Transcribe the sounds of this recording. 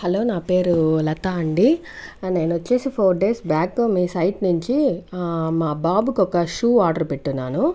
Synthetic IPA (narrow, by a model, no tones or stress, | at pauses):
hɐlo̞ːnaːpe̞ːɾulɐt̪aːɐɳɖi | ne̞ːnuʋɐt͡ʃːe̞ːsipʰoːɾɖe̞ːsbaːkːoːmiːsɐjʈnuɲt͡ʃi | maːbaːbukɔkɐʂuːaːɾɖɐɾpeʈːunːaːnu